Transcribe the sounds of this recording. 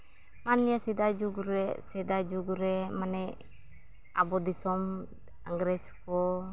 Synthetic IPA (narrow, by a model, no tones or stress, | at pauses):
manliasid̪ad͡ʒuɡuɾɛsɛd̪ad͡ʒuɡuɾɛmanɛ | a̰bɔd̪isɔm | aŋɡɾɛsu̥kɔ